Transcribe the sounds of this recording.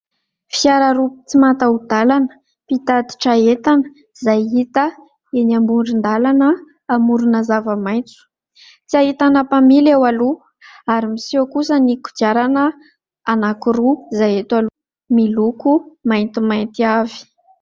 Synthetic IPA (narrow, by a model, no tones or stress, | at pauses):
fiaɾaɾupit͡simat̪aud̪alanə̥ | pit̪ad̪i̥ʈ͡ʂaet̪an | zajɦit̪ə | enambuɳɖ͡ʐind̪alanəː | muɾunazavəmajnt͡su̥ | t͡siaɦit̪anapamilewalu | aɾimisiakusəniku̥d͡ʒjaɾanə | anakuɾuzajet̪alu | milukumajnt̪imajnt̪iavi̥